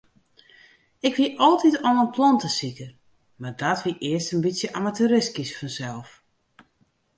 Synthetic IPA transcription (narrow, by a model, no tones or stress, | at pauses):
ɪkʋiʔɔlˠtitɔnənpʰlɔntəsikə | mardɔtʋiʔɪəstənbitsjəʔamatʰyɾɪskisfɔnsɛlˠf